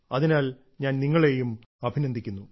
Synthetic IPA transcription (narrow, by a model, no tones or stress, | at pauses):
ɐðinaːl | ɲaːnniŋːɐɭe̞jum | ɐbʱinɐnd̪ʱikʲːunːu